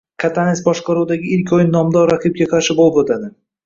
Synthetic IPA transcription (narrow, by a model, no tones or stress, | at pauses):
kʰat̪ʰanɪsbɒʃqɑɾuwd̪aɡʲɪɪlkʲɒjɪnːɒmd̪ɒɾɾaqʰɨp̚ɡʲaqʰɑɾʃɪbolˠɪpot̪ʰad̪ɪ